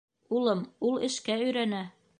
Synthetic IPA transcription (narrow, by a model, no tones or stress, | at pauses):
ulˠɤmulˠɘ̆ʃkæɵ̆jɾænæ